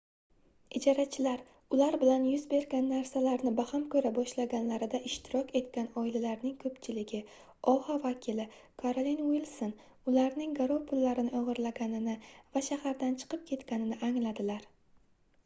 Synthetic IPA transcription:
ɪd͡ʒɒɾat͡ʃʰɪlaɾ | ʊlaɾbɪlanjʊzbe̞ɾɡʲanːaɾsalaɾnɪbahamkʰɵɾabɒʃlaɡʲanlaɾɪd̪aʔɪʃt̪ʰɪɾɒkʲe̞t̪kʲanɒɪlalaɾnɪŋkʰɵpt͡ʃʰɪlɪɡʲɪ | ɒhavakʲʰɪlɪ | kʰaɾolinwilˠson | ʊlaɾnɪŋɡaɾopʰʊlːaɾɪnɪʔɒʁɨɾlaɡʲanɪnɪvaʃahaɾd̪ant͡ʃʰɨ̥qʰɨp̚kʲʰe̞t̪kʲanɪnɪʔaŋlad̪ɪlaɾ

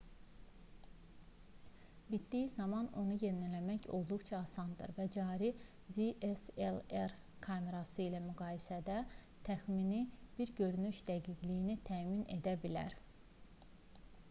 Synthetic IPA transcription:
bit̪d̪ijizɑmɑno̞nuje̞nilæmæço̞̰lˠd̪uɣt͡ʃʰɑːsɑnd̪ɯ̰ɾvæd͡ʒɑːɾi | d̪iʔeseleɾ | kʰɑme̞ɾɑsɯilæmyɡɑːjisæd̪æ | t̪ʰæxminib̥iɾɟø̞ɾynyʃd̪̥æɡiɟlijinit̪ʰæːmine̞̰d̪æbilæ̰ɾ

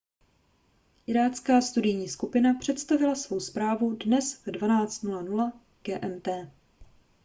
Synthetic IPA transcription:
ʔɪɾaːt͡skaːst̪udɪjɲiːskupɪnapr̝̥ɛt̪st̪avɪlasvo̞wspɾaːvudnɛsvdvanaːt͡st̪nulanula | ɡ̥ɛːʔɛmt̪ɛː

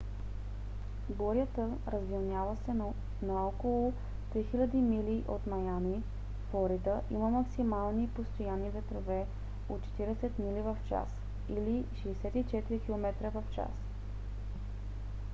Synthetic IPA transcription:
ɡoɾjət̪ə | ɾəzvilnʲjavəsɛ | nɐɔkolˠʊ | t̪ɾixilʲəd̪imiliʔot̪mɐjani | flˠɔɾid̪əʔḭməmɐksimalˠnipost̪ojanːivɛt̪ɾovɛ | ot̪t͡ʃɛ̥t̪iɾɛsɛt̪milivɐft͡ʃa̰s | iliʃɛːsɛt̪it͡ʃɛt̪iɾik̟ilˠomɛt̪ɾəvɐft͡ʃa̰s

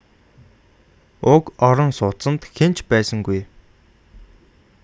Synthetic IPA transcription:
ʊkɔɾɞ̆nsʊt̪sə̆nt̪xen̥t͡ɕpæːsə̆ŋɡuj

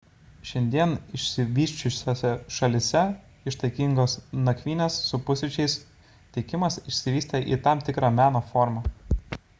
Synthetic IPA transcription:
ʃʲɛnʲd̪ʲiɛnɪʃʲsʲɪʋʲiːʃʲt͡ʃʲʊsʲoːsʲɛʃɐlʲɪsʲɛ | ɪʃt̪ɐɪkʲɪŋɡoːsnɐkʲʋʲiːnʲeːsːʊpʊsʲɪt͡ʃʲɛɪs | t̪ʲɛɪkʲɪmɐsɪʃʲsʲɪʋʲiːsʲt̪ʲɛʔḭːt̪ɑmt̪ʲɪkɾɑːmʲæːnoːfɔɾmɑː

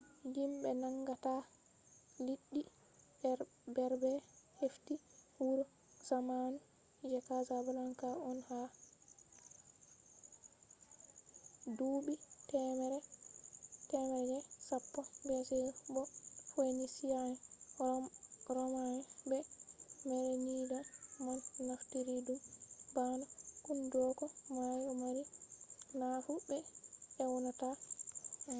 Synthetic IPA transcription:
jimbɛnaŋɡata | liɗːi | bɛɾbɛheftihuɾɔ | zamanu | d͡ʒɛkazabalaŋkaɔnha | dubitɛmɾɛ | tɛmɛɾɛd͡ʒɛsapːɔbɛsɛbɔfonisijanɛ | ɾɔmanɛbɛmɛɾɛɲiːdɛmanːoftiɾidubanɔkundɔkɔmajɾɔmaɾinafubɛɛwɔnɔta

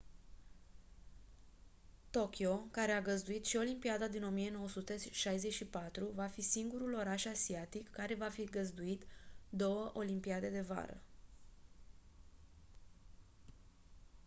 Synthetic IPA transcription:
t̪o̞kʲjo̞kaɾe̞aɡəzd̪uit̪ʃio̞limpiad̪ad̪ino̞mije̞no̞wəsut̪e̞ʃajze̞t͡ʃipat̪ɾuvafisiŋɡuɾulo̞ɾaʃasiat̪ikːaɾe̞vafiɡəzd̪uit̪d̪o̞wəʔo̞limpiad̪e̞d̪e̞va̰ɾə̰

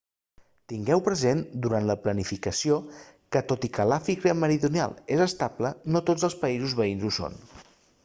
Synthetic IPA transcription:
t̪iŋɡɛwpɾəzend̪uɾant̪ləplənifikəsiokət̪ot̪ikəlafiɣɾəməɾiðunia̰lˠezəst̪aplənot̪od͡zəlˠspəizuzβəinzuso̰n

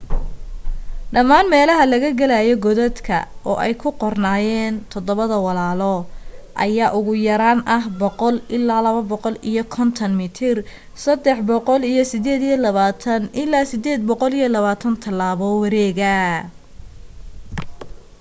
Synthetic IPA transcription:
ɖɐmaːnmɛːlɐɦɐlɐɣɐɡɐlajɔɡɔðɛd̪kʰɐ̰ʔɔ̰ːʔɛjkʰʊqɔrnaːjɛːnt̪ʰɔd̪ɔβɐðɐwɑlaːlɔːʔɐ̰jaːʔʊɣʊjɐɾaːnʔɐɦbɔqɔlɪlːaːlɐβɐbɔqɔlijɔkʰɔnt̪ʰɐnmɪt̪ʰɪr | sɐd̪ɛħbɔqɔlijɞsɪd̪ɛːd̪ijɔlɐβaːt̪ʰɐnʔɪlːaːsɪd̪ɛːd̪̚bɔqɔlijɔlɐβaːt̪ʰɐnt̪ʰɐlːaːβɔwɑɾɛːɣɐ

